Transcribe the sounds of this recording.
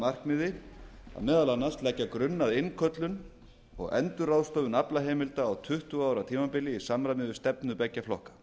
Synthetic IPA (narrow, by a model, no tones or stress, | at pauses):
mar̥kmɪːðɪa̰ðmɛːðalanːast̪lɛcːakɾʏnːaðɪnkʰœt̪lʏn | ɔ̰ɣɛ̰nt̪ʏɾaːðst̪ɔvʏnaplaɦeːjmɪlt̪aːwt̪ʰʏht̪uaːwɾat̪ʰiːmapɪlːɪisamɾamɪːðʏst̪ɛpnʏpɛcːaflɔhkḁ